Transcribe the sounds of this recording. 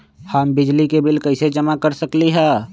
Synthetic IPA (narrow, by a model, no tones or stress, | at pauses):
həmbɪd͡ʒlikebɪlkɐɪsed͡ʒəmakəɾsəkliɦɛː